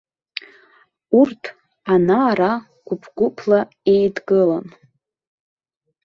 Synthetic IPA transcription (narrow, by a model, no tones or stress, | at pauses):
urtʰ | anaːɾa | ɡ̥ʷʊpʰɡ̥ʷʊpʰla | e̞jdɡɨlan